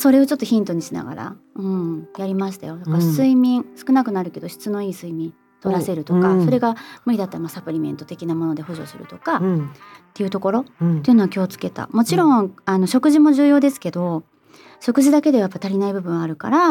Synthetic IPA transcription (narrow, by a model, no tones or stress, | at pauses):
so̞ɾe̞o̞t͡ɕo̞t̪ːo̞çĩnt̪o̞ɲ̟iɕina̰ɡa̰ɾa̰ɯ̟̃ɴjaɾʲimaɕi̥t̪ajo̞d̪akaɾasɨimʲĩɰsɨ̥kɯ̟nakɯ̟naɾɯ̟ke̞d̪o̞çi̥t͡sɨno̞iːsɨimʲĩn | t̪o̞ɾase̞ɾɯ̟t̪o̞kaso̞ɾe̞ɡamɯɾid̪at̪ːamasapɯ̟ɾʲimẽ̞nt̪o̞t̪e̞kʲinamo̞no̞d̪e̞ho̞ʑo̞̰sɨ̰ɾɯ̟t̪oka | t̪ːe̞jɯ̟t̪o̞ko̞ɾo̞t̪ːe̞iɯ̟noɡakʲiot͡sɨ̥ke̞t̪a̰mo̞t͡ɕiɾõ̞ŋano̞ɕo̞kɯ̟ʑimo̞ʑɨːjo̞ːd̪e̞sɨ̥ke̞d̪o̞ | ɕo̞kɯ̟ʑid̪ake̞d̪eajapːat̪aɾʲinaibɯ̟bɯ̟̃ɰ̃aɾɯ̟ka̰ɾa